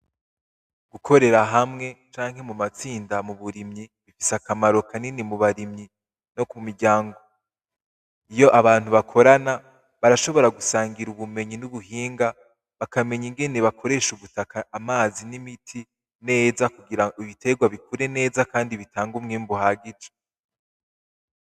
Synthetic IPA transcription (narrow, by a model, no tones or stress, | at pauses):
ɡ̥ukʰo̞ɾe̞ɾaɦamŋe̞t͡ʃaːŋhe̞mumat͡siːndamuβuɾimɲiβifisakamaɾo̞kaninimuβaɾimɲi | nokumiɾɟaːŋɡo̞ | ijo̞ʔaβaːn̥huβakʰo̞ɾana | βaɾaʃo̞βo̞ɾaɡusaːŋɡiɾuβume̞ɲinuβuhiːŋɡa | βakame̞ɲiŋɡe̞ne̞βakʰo̞ɾe̞ʃuβutakaʔamaːzinimitʰi | ne̞ːzakuɡiɾaiβite̞ɡwaβikʰuɾe̞ne̞ːzakaːndiβitaːŋɡumŋiːmbuhaːɡid͡ʒe̥